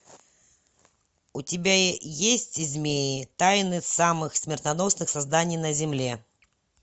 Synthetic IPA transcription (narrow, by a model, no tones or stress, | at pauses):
ʊtʲɪbʲajesʲtʲzʲmʲejɪt̪ajnɨsamɨxsʲmʲɪrt̪nɐno̞snɨxsɐzd̪anʲɪjnəzʲɪmlʲe̞